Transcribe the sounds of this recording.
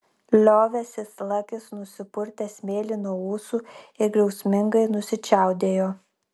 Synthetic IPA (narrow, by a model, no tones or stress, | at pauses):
lʲoːʋʲɛsʲɪslˠɐkʲɪsnʊsʲɪpʊɾʲt̪ʲɛsʲmʲeːlʲɪnuɔuːsuɪɾɡɾʲɛʊsʲmʲɪŋɡɐɪnʊsʲɪt͡ʃʲæˑʊd̪ʲeːjoː